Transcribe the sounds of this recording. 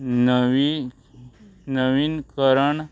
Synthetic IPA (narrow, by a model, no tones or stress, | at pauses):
nʋi | nəʋinkəɾəɳ